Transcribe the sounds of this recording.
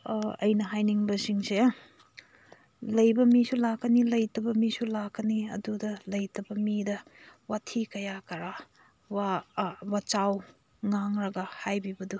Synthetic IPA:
ɐ̰jnɐɦajniŋbɐsiŋse | lɐjbɐmisulakːɐnilɐjtɐbɐmisulakːɐniɐ̰dudɐlɐjtɐbɐmidɐwatʰikɐjakɐɾa | wawat͡ʃaw | ŋaŋɾɐɡɐhajbibɐdu

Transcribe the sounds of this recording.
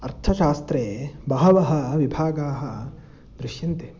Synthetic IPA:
ɐɾt̪ʰɐʃaːst̪ɾeːbɐɦɐʋɐɦɐ̆ʋibʱaːɡaːɦɐ | d̪ɾɪʃjɐnt̪e

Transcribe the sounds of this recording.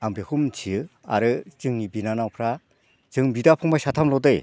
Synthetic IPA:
aŋbekʰumt͡ʃʰia̰ɾɯt͡ʃɯŋnibinanawpʰɾa | zɯŋbidapʰɯŋbajsat̪ʰamlɔdɯj

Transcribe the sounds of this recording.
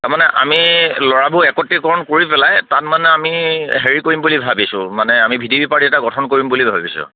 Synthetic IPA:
tamanɛʔa̰milɔɹabʱuɛkɔtːikɔɹɔnkoɹipɛlajtatmanɛamiɦeɹikoɹimbulibʱabisʊ̰̃manɛamibʱidiobipaɹiɛtaɡɔtʰɔnkoɹimbulibʱabisʊ̰̃

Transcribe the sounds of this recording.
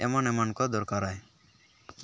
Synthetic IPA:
ɛ̰mɔnɛmɔnkɔd̪ɔɾkaɾaj

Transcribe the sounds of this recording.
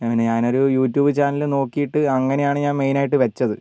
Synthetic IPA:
ɐnɨɲaːno̞ɾujuːtːjuːbɨt͡ɕaːnɐlno̞ːkːijiʈːɨɐŋːɐne̞jaːɳɨɲaːnme̞jnaːjiʈːɨʋɐt͡ɕːɐðɨ

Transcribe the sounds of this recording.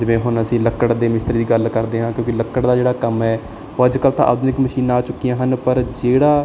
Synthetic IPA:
d͡ʒɪʋẽːɦʊnəsĩːləkːəɽd̪eːmɪst̪əɾd̪iːɡəlkəɾd̪eːɦãːkjõːkɪləkːəɽd̪aːd͡ʒeːɽaːkəmɛː | oəd͡ʒkəlt̪ã̰ːʔa̰ːd̪ʰnɪkməʃiːnãːaːt͡ʃʊkːijãːɦənpəɾd͡ʒeːɽaː

